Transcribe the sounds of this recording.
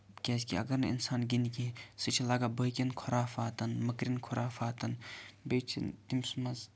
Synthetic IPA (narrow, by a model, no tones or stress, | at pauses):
kʲɛːskʲiɐɡɐɾnɐḭnsaːnɡʲinikisɨt͡ʃʰilaɡabəkʲenkʰoɾaːfaːt̪ɐnmɐkɾinkʰɔɾaːfaːt̪ɐnbet͡ʃʰḭt̪imsmɐz